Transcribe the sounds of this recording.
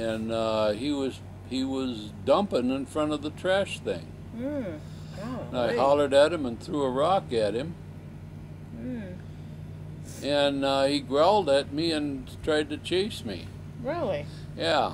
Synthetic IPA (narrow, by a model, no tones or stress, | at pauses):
ɨ̃nʌiwʌz̥ | hiwʌz | dʌ̃mpɪ̃ŋɨ̃nfɹʌ̃ɾ̃ʌvðɨtʰɹ̥æʃθɪ̰̃ŋ | naɪɦɑlˠə˞ɾɨt̚hɨ̃mə̃nθɹuəɹɑkɨt̚hɨ̃m | ɨ̃nʌiɡɹaʊlˠdɨt̚miɨ̃ntʰɹ̥aɪd̚tɨt͡ʃʰeɪsmḭ | ɹɪlˠi | jæ